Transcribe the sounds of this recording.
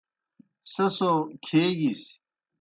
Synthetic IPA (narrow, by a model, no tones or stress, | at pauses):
sɐsokʰeːɡis